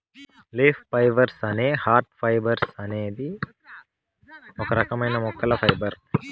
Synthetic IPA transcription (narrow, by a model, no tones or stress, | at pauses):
lefpɐjʋɐɾsɐneːhaːɾʈfɐjbɐɾsɐneːd̪i | mokɐɾɐkɐmɐjnɐmɔkːɐlɐpʰɐjbɐɾ